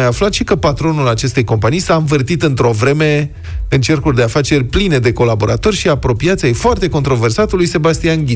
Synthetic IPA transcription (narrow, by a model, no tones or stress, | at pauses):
ajaflat̪ʃikəpat̪ɾo̞nulat͡ʃe̞st̪e̞jko̞mpanijsaɱvɨrt̪it̪ɨnt̪ɾo̞vɾe̞me̞ | ɨnt͡ʃe̞rkurʲd̪eafat͡ʃe̞rʲpline̞d̪e̞ko̞labo̞ɾat̪o̞rʲʃiapɾo̞pijat̪sʲejfoart̪e̞ko̞nt̪ɾo̞ve̞rsat̪ulujse̞bast̪ianɡʲi